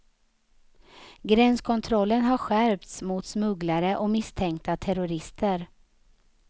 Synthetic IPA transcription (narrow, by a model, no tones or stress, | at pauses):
ɡɾɛnskʰɔnt̪ʰɾɔlːənɦaɾɧæɾvt̪smʊt̪smɵɡlaɾəʔɔmɪst̪ʰɛŋkt̪at̪ʰɛɾʊɾɪst̪ʰəɾ